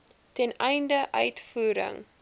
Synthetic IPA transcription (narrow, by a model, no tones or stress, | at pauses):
tɛnɛjndəʔœɥtfuːɾə̰ŋ